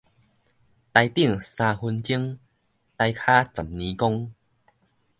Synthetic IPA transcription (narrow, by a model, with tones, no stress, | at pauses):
t̪a˧jt̪i˥˩˨ŋsãː˧hu˧nt͡ɕi˦əŋ | t̪a˧jkʰa˦t͡sa˨˩mnĩ˨˧kɔ˦ŋ